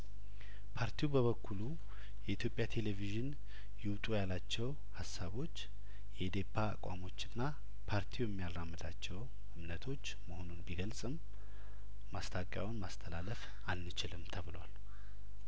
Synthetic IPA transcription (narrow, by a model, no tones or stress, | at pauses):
pʰaɾt̪ʰijubəβəkːulu | jɛit̪jo̞pʼjat̪ʰe̞leviʒɨn | jɪwt̪ʼujalat͡ʃːɛw | hasːaβo̞t͡ʃː | jɛd̪e̞pʰːa̰ːkʼwa̰mo̞t͡ʃːɨnːa | pʰaɾt̪ʰiwjɛmːijaramːɨd̪at͡ʃːɛw | ɨmnət̪ʰo̞t͡ʃːməho̞nonbiɡəlsʼɨmː | ast̪ʰakʼja̰wnmast̪ʰəlaləf | alnɨt͡ʃɪlɨmt̪ʰəβɨləwal